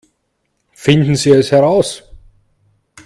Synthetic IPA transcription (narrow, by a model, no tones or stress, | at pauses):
fɪnt̪n̩siɛshɛɾaws